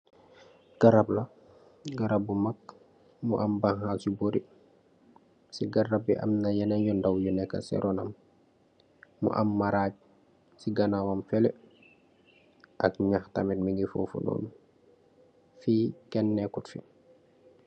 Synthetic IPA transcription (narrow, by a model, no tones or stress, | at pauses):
ɡ̥aɾabla | ɡaɾabumak̚ | muʔambaŋhasuboɾi | siɡaɾabḭʔa̰mnajɛnaɲjɔndawjunɛka̰sɛ̰ɾʔonam | ṵʔa̰mːaɾaːɟ̚ | siɡanawamfɛlɛ | ʔakɲaxtamɛt̚miŋɡifo̰fṵno̰ːn | fikɛnːɛkutfi